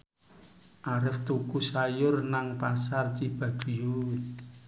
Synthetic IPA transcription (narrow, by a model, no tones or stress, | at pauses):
ʔaɾɪft̪ukusajʊrnaŋpasart͡ʃib̥a̤d̥ṳju